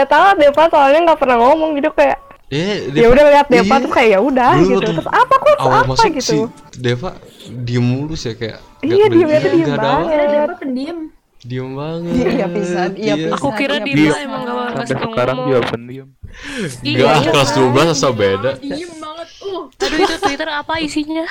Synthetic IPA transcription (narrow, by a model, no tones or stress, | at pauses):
at̪aŋat̪̚depasolaɲaŋɡaʔpərnaŋɔmɔŋɡit̪ukajaʔ | jaudahliɦat̪̚defat̪ʊkajaʔjaudahit̪ut̪ʊsapakuamasaɡisu | defa̰diəmːulʊsjakaja̰ʔ | ijadiəmɲat̪udiəmbaaŋəliat̚im | diəmbaŋədijaisaaakuiɾaiapɛsəkaɾaŋd̪iapanim | ɡahklasduabasasabedaimbaŋət̪ːʊ | aaisiɲa